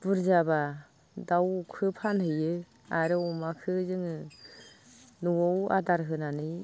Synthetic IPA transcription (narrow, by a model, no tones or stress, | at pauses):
b̥ɯɾzaba | dawkʰɯpʰanhɯjɯ | aɾɯumakʰɯzɯŋɯ | nuwɔwa̰daɾɦɯnanɯj